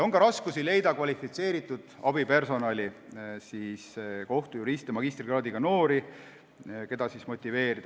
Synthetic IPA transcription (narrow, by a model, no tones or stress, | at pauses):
oŋɡɑɾɑskusile̞jd̪ɑkvɑlʲifit̪se̞ːɾit̪ːˑud̪̥ɑbipe̞rso̞nɑlʲisiːsko̞ht̪ujuɾist̪emɑɡist̪rɡrɑːd̪iɡ̥ɑno̞ːɾi | ke̞d̪ɑsismo̞t̪ʲːˑive̞ːɾid̪̥ɑ